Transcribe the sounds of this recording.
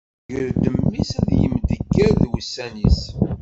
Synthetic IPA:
ɡəɾd̪əmːisæðjə̰md̪əɡːəɾðwəsːænis

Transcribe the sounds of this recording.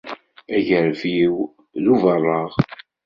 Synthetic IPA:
æʝəɾviw | ðuvərˤːɑʁ

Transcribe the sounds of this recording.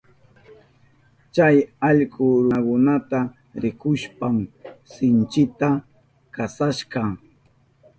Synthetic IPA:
t͡ʃajɑʎkʊɾʊkʊnat̪a | ɾɪkʊʃpamsɪnt͡ʃɪt̪a | kasaʃɢɑ

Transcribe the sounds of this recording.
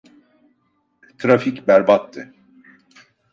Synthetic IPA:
t̪ʰɾaficbæɾbat̪ːɯ

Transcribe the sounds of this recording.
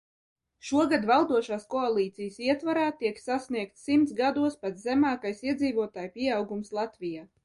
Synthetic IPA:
ʃuɔɡad̪valˠd̪uɔʃaːskɔalˠiːt̪sijəsiɛt̪vaɾaːt̪iɛksasniɛk̚t̪simt̪sɡad̪uɔspat̪zɛmaːkajsiɛd̪ziːvuɔt̪aːjpʲiɛawɡumslˠat̪vʲijaː

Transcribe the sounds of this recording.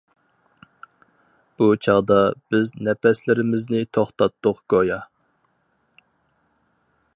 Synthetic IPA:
b̥ut͡ʃʰɑʁd̪ɑb̥ɪznɛpɛslɪɾɪmɪznɪt̪ʰoχt̪ɑt̪ːʊqɡ̥ojɑ

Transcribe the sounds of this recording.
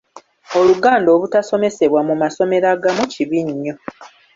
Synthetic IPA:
o̞luɡaːndo̞ːβutaso̞me̞se̞βwamumaso̞me̞ɾaɡamuciβiɲːo̞

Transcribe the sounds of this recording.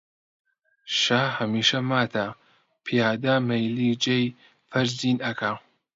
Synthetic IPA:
ʃaːhɐmiːʃɐmaːt̪ʰa | pʰijaːd̪amejliːd͡ʒej | fɐɾziːnɐkʰa

